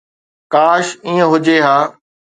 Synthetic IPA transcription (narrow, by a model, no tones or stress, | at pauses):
kaːʃĩːə̃ɦʊd͡ʑeːɦaː